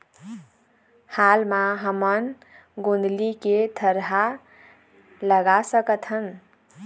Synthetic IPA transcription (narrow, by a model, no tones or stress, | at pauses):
halmaɦəmən | ɡond̪liked̪ʰʱəɾɦa | ləɡasəkət̪ɦən